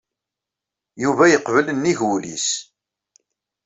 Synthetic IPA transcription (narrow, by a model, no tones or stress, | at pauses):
juvæjəqvələnːiʝulḭs